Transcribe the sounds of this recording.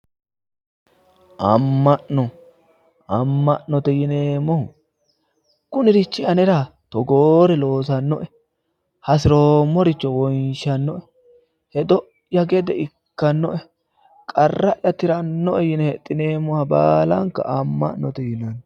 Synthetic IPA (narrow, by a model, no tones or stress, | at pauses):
ʔɐmːɐʔnɔ | ʔɐmːɐʔnɔt̪ɛjɪneːmːɔh | kʊnɪɾɪt͡ʃːɪɐnɛɾat̪ɔɡoːɾɛlo̞ːsɐnːɔʔɛ | hɐs̬ɪɾoːmːɔɾɪt͡ʃːɔwɔjnʃɐnːɔʔɛ | hɛd̪ɔ | jɐɡɛd̪ɛɪkːɐnːɔʔɛ | kʼɐrːɐʔjɐt̪ɪɾɐnːɔʔɛjɪnɛhɛt̪ʼːɪne̞ːmːɔhɐbaːlɐŋkːɐ̰ʔɐmːɐ̰ʔnɔt̪ɛjɪnɐn